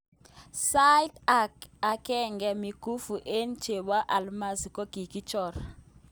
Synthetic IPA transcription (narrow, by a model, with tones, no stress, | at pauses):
sa˦i˦ta˦˨ka˨kɛ˦ŋɡɛ˨mi˨ku˦fu˨ʔe˦nt͡ʃe˨ba˦ʔa˨lma˦zi˨kɔ˦ki˨ki˦t͡ʃɔ˨ɾ